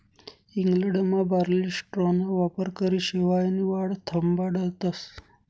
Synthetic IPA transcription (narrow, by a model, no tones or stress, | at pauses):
iŋɡləɳɖmãbaɾlisʈɾonaʋapəɾkəɾiɕeʋajniʋaɽt̪ʰəmbaɽəlt̪əs